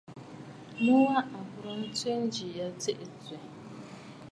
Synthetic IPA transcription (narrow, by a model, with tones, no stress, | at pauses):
nʊ˦wa˦ʔa˨bʊ˨ɾo˦n̩˦te˦n̩˦d͡ʒi˨ja˨te˦ʔe˨te˨